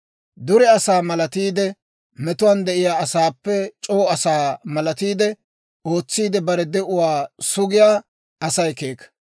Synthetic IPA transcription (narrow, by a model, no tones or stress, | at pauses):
d̪ʊɾɛɐsaːmɐlɐt̪iːd̪ɛ | mɛt̪ʊwand̪ɛʔɪjaːɐsaːpːɛt͡ʃʼo̞ːɐsaːmɐlɐt̪iːd̪ɛ | o̞ːt͡sːiːd̪ɛbɐɾɛd̪ɛʔʊwaːsʊɡɪjaː | ɐsɐjkeːkːɐ̥